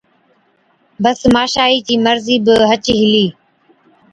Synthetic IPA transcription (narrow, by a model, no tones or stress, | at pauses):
bəsmaːʃaːiːt͡ʃiːməɾziːbɪɦət͡ʃɦɪliː